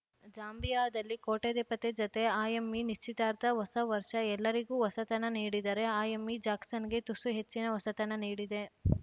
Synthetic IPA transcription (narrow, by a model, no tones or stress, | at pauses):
d͡ʒaːmbijaːd̪ɐlːikoːʈeːd̪epɐt̪ed͡ʒɐt̪e̞aːjɐmːiniʃt͡ʃːit̪aːɾt̪ɐʋɐsɐʋɐɾʃɐɛlːɐɾiɡuːʋɐsɐt̪ɐnɐniːɽid̪aːɾe̞aːjɐmːid͡ʒaːksɐnɡe̞t̪usuɦe̞t͡ʃːinɐʋɐsɐt̪ɐnɐniːɽid̪e̞